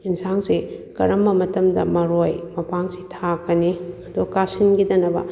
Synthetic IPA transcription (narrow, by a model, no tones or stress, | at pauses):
insaŋsikɐɾɐmbɐmɐtɐmdɐ̰mɐɾojmɐpaŋsitʰakɐniɐdukasinɡidɐnɐbɐ̰